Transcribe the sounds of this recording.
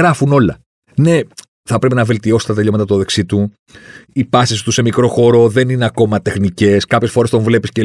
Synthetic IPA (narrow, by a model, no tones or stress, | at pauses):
ɾɐfuno̞lɐ̰ | ne̞ | θɐpɾe̞pinɐve̞lt̪io̞sst̪et̪eʎomet̪ɐt̪oðe̞ksit̪u | ipɐsisi̥t̪use̞mikɾo̞xo̞ɾo̞ðe̞nineɐko̞mɐt̪e̞xnice̞skɐpçesfo̞ɾe̞st̪o̞ɱvle̞pisce